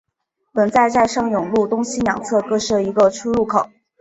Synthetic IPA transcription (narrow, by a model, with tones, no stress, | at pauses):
pə˨˩nt͡sa˥˧ɪt͡sa˥˧ɪʂɑ˥˩ŋjʊ˨˩ŋlu˥˩t̪ʊ˥ŋɕi˥njɑ̰˨˩ŋt͡sʰɤ˥˧kɤ˥˧ʂɤ˥˩i˧˥ɡə˧ʈ͡ʂʰu˥ɻu˥˩kʰo˨˩˦ʊ